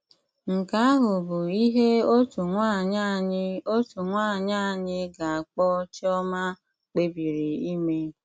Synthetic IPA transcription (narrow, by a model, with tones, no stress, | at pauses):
ŋ̩˨ka˦a˦ɦʊ˨bʊ˨i˦ɦe˦o˦tu˨ŋʷa˦˨ɲa˦ɲɪ˦o˦tu˨ŋʷaː˦˨ɲa˦˨ɲɪ˦ɡa˨a˨k͡pɔ˦t͡ʃɪ˦ɔ˦ma˦ | k͡pe˦bi˨ɾi˨i˦me˦